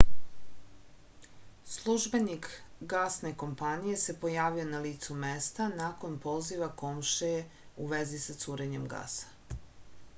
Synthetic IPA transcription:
slˠuʒbe̞nikɡasne̞ko̞mpanije̞se̞po̞jaːʋio̞naliːt̪sume̞st̪anako̞npo̞ziʋako̞mʃeje | uʋe̞zisat̪suːɾe̞ɲe̞mɡa̰sḁ

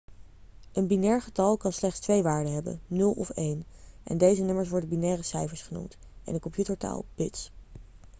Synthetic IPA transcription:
ənbinɛːɹχətɑlˠkɑnslɛχtstʋejʋaːɹdəɦɛbə̰nnɵlˠɔ̰fejnʔɛ̰ndejzənɵməɹsʋɔɹdənbinɛːrəsɛjvəɹsχənṵmt | ʔɛ̰nəkɔmpjutəɹta̰ːlˠb̥ɪts

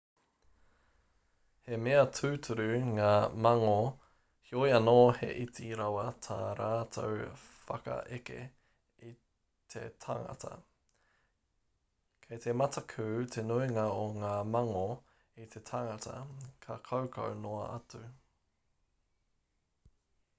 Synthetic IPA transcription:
hemeɐtʰʉːtʰʉɾʉŋaːmɐŋo | hiojɐnoːhḛʔitiɾɐwɐt̪ʰaːɾaːtʰo̰w | fɐ̰kɐ̰ʔekḛ | i | t̪ʰḛt̪ʰɐŋɐ̰tʰɐ̰ | kʰejt̪ʰemɐtʰɐkʰʉːt̪ʰenuiŋɐoŋaːmɐŋo | it̪ʰe̞t̪ʰɐŋɐtʰɐ̰kʰɐkʰɐwkʰɐ̰wnoɐɐtʉ

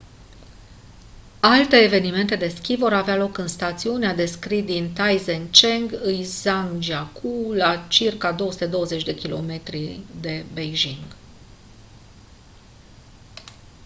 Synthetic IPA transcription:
alt̪e̞ːve̞nime̞nt̪e̞d̪e̞skʲivo̞ɾavealo̞kɨnst̪at̪siunead̪e̞skɾid̪int̪ajzent͡ʃe̞ŋɡɨjzaŋd͡ʒiakʰulat͡ʃirkad̪o̞wəsut̪e̞d̪o̞wəze̞t͡ʃʲd̪e̞kʲilo̞̰me̞t̪ɾid̪e̞bejʒiŋɡ

